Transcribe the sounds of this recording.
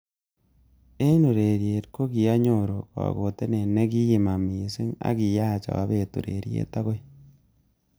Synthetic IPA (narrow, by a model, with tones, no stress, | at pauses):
e˦no˨ɾe˨ɾje˨tko˦ki˨a˦ɲoɾo˨ka̰˨ɣo˨te˦ne˨ne˦ki˦ji˨ma˨mi˨se˦ŋa̰˦ki˨ja˦˨t͡ʃa̰˨a̰˨βe˨tṵ˨ɾḛ˨ɾjḛ˦ta˦ɣo˦i